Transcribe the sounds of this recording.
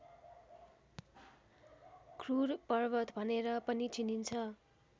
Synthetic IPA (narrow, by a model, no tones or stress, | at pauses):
kʰrurpʌrbʌt̪bʱʌneɾʌpʌnit͡sinint͡sʰʌ